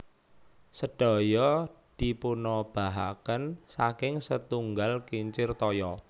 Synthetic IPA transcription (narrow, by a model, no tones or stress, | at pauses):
səɖ̥ɔ̤jɔd̪̥ipunɔb̥a̤ɦa̰kənsakɪŋsət̪uŋɡalkiɲt͡ʃɪrt̪ɔjɔ